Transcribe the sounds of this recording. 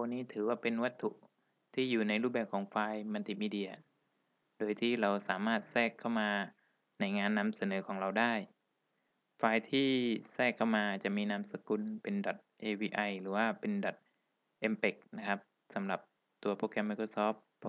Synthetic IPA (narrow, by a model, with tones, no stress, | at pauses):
o˧nːiː˦˥˩t̪ʰɯː˩˦waː˥˩pe˧nwa˦˥t̪ʰːu˨˩ʔ | t̪ʰiː˥˩juː˨˩na˧jɾuː˥˩p̚bɛː˨˩p̚kʰɔː˩˦ŋfaː˧jma˧nt̪i˨˩miː˧di˧ɐ˧ | doː˧jt̪ʰiː˥˩ɾa˧wsaː˩˦maː˥˩t̪̚sɛː˥˩kʰːa˥˩wmaː˧ | na˧jŋaː˧nːa˧msa˧nɤː˩˦kʰɔː˩˦ŋɾa˧wdaː˥˩j | faː˧jt̪ʰiː˥˩sɛː˥˩kʰːa˥˩wmaː˧t͡ɕa˨˩ʔmiː˧na˧˥msa˧ku˧npe˧ndɔ˨˩t̪̚ʔeː˧wiː˧ʔa˧jɾɯː˩˦waː˥˩pe˧ndɔ˨˩t̪̚ | ʔe˧mpe˨˩k̚na˦˥kʰa˦˥p̚ | sa˩˦mɾa˨˩p̚ | t̪u˧ɐpʰoː˧kɛ˧mːa˧jkʰɾoː˧sɔː˦˥p̚